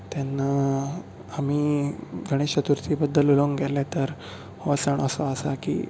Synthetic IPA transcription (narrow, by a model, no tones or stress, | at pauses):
t̪janːa | am̤iːɡʱəɽ̃eɕət̪uɾt͡sibəd̪ːəluloŋɡɡʱɛlɛ̃t̪əɾ | hoʋasəɳ̃əsoəsakḭː